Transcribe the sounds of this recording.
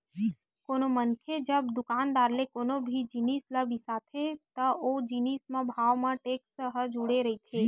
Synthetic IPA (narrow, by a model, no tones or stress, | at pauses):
koːnomənkʰed͡ʒəbd̪ʊkaːnd̪aːɾlekoːnobʱid͡ʒiniːsləbisaːt̪ʰet̪əoːd͡ʒiniːsmẽbʱaːʋmãʈeːksəɦəd͡ʒuɽeɾɐit̪ʰeː